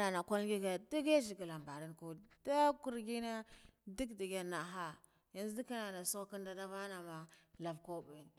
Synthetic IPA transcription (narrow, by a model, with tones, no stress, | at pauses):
na˨na˨ka˦lɡi˦ɡa˨di˦ɡe˦d͡ʒi˨ɡi˨la˨mba˨ɾi˦nku˦da˦ku˦ɾɡi˦na˦di˦ɡdi˨ɡa˨na˨ɦa˦ | ja˦nzdi˦ka˦na˨na˨su˦ki˦nda˦da˦va˦na˨ma˨la˨vko˦be˨n